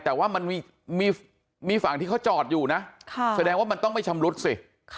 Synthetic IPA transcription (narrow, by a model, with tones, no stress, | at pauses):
t̪ɛː˨˩waː˥˩ma˧nmiː˧ | miː˧ | miː˧fa˨˩˦ŋt̪ʰiː˥˩kʰwt͡ɕɔː˨˩t̪̚juː˨˩na˦˥ʔkʰsa˧dɛː˧ŋwaː˥˩ma˧nt̪ɔ˥˩ŋma˥˩jt͡ɕʰa˧mɾu˦˥t̪̚si˨˩